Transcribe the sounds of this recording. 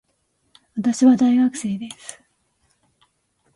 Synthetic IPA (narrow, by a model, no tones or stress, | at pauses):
βat̪aɕiβad̪aiɡakɯ̟̥se̞ːd̪e̞sɨ̥